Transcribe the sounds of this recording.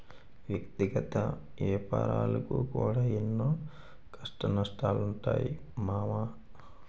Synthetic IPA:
ʋjɐkt̪iɡɐt̪ɐ | ʋɛːpa̰ːɾaːlɐkukuːɽaːenːoː | kʰɐʂʈɐnɐʂʈaːluɳʈa̰ːji | maːmaː

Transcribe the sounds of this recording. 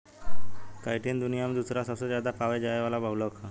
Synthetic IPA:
kajʈʰiːnd̪unijamd̪usɾasəsəd͡ʑad̪apaʋajd͡ʑaeʋalabʱalokʰa

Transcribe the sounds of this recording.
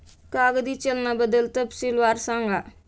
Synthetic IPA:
kaːɡd̪it͡ʃəlnabəd̪əlt̪əbsilʋaːɾsãːŋɡa

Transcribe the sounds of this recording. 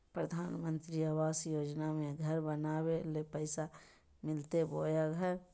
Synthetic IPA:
pɾəd̪ʱaːnmə̃nt̪ɾiaʋaːsjoːd͡ʒnamẽɡʱəɾbənaːwelepəɪsa | mɪlt̪eboːjaɡʱəɾ

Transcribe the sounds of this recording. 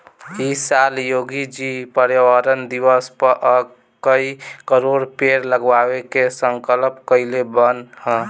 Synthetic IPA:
isaljoɡid͡ʒipəɾjəwəɾənd̪iwəspəɾʔə | kəikəɾoɽpeɾləɡʋaekesəŋkəlpkəɪlebənhə̃

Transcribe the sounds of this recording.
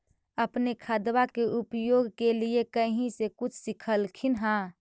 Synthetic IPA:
əpnekʰad̪wakeʔʊpjoːɡkeliekəɦĩsekʊt͡ʃʰsɪkʰəlkʰɪnɦã

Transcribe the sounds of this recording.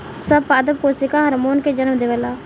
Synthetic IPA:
səbpaːd̪əbkosɪkaːɦəɾmoːnked͡ʒənəmd̪eːʋəlaː

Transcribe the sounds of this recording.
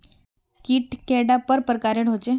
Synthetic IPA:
kiːʈkeɽapəɾpɾəkaɾeɽɦot͡ɕe

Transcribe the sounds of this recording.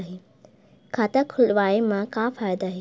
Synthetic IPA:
ɦeː | kʰaːt̪akʰʊlʋaːemãkafaːɪd̪aːɦeː

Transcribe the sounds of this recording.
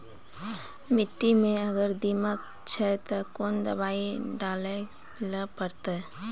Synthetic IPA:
mɪʈːimẽɐɡəɾd̪imək̚ | t͡ʃʰɛt̪əkoːnd̪ə̰baːiɖaːle | ləpəɾt̪e

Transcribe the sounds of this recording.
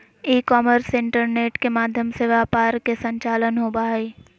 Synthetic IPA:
iːkɔːməɾsɪ̃ɳʈəɾneːʈkemaːd̪ʱjəmseʋaːpaːɾkesə̃ɲt͡ʃaːlənɦoːbaːiː

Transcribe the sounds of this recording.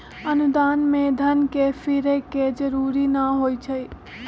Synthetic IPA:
ənʊd̪aːnmẽd̪ʱənkefʰɪɾeked͡ʒəɾuːɾinaɦoːit͡ʃʰəi

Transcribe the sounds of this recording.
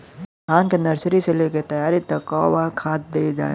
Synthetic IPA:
ɦaːnkenɐɾsɾiseleːket̪ɐjaːɾit̪ɐkɔːwakʰaːt̪̚d̪eːd͡ʒa̰ːḛ

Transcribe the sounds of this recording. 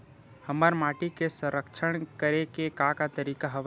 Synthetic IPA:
həməɾmaːʈikesə̃ɾəkʃʰəɽ̃kəɾekekakat̪əɾiːkaɦɐʋ

